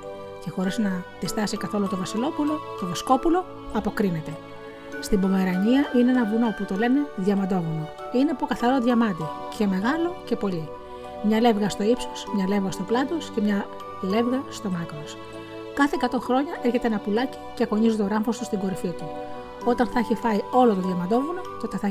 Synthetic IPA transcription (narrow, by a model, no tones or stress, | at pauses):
ce̞xo̞ɾesnɐt̪ist̪ɐsikɐθo̞lut̪o̞vɐsilo̞pulo̞ce̞ðesko̞pulo̞ | ɐpo̞kɾine̞t̪e̞ | st̪ibo̞me̞ɾɐɲiɐʔineenɐvuno̞put̪o̞le̞me̞ðʝɐmɐd̪o̞ɣuno | ine̞po̞kɐθɐɾo̞ðʝɐmɐd̪icʰe̞me̞ɣɐlo̞ce̞po̞ʎi | mɲɐle̞vɣɐst̪o̞ipso̥smɲɐle̞vɣɐst̪oplɐnd̪o̞sce̞mɲɐ | le̞vɣɐst̪o̞mɐkɾos | kɐθe̞ːkɐt̪o̞ŋxɾo̞ɲɐʔe̞ɾçet̪eenɐpulɐci̥ceko̞ɲizot̪o̞ɾɐmfo̞st̪ust̪iŋɡo̞ɾifit̪u | o̞t̪ɐnθɐɐçifɐio̞lo̞t̪oðʝɐmɐnd̪o̞vuno̞t̪o̞t̪e̞θɐ